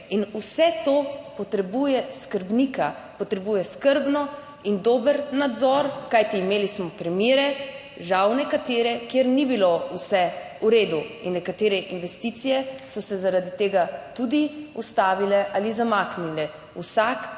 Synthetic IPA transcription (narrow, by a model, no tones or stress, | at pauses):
inusɛt̪opɔt̪ɾɛbujɛskəɾbnika | pɔt̪ɾɛbujɛskəɾbnɔ | ind̪oːbəɾnad̪zɔɾkajt̪iːmeːlismɔpɾimiːɾɛ | ʒawnɛkat̪eːɾɛkjeɾnibilousɛ | uɾeːd̪uinːɛkat̪eːɾɛʔinʋɛst̪it̪sijɛsɔsɛzaɾad̪it̪eːɡat̪ud̪iust̪aːʋilɛʔalizamaːknilɛ | usak